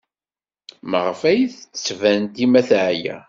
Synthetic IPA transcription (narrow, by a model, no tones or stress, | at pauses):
məʁfæjθt͡sːvænt̪imæθʕjæ̰